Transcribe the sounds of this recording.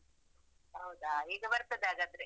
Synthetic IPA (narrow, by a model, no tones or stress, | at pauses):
ɦɐwd̪aiːɡɐbɐɾt̪ɐd̪eaːɡɐnd̪ɾe